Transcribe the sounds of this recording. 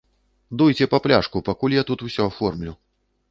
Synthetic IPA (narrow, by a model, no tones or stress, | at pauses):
d̪ujt͡sʲɛpɐplʲaʂkupakulʲjat̪ut̪usʲɔafɔrmlʲu